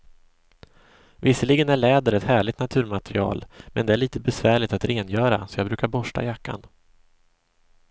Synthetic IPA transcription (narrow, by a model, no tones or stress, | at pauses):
vɪsːəlɪɡənæɭɛːd̪əɾɛt̪hæːɭɪt̪nat̪ʰʉ̟ːɾmat̪ɛɾɪɑ̰ːlmɛ̰nd̪ɛæɭiːt̪əbɛsvæːɭɪt̪at̪ɾeːnjœːɾa̰sɔjɑːɡbɾʉ̟ːkaɾbɔʂʈa̰jakːa̰n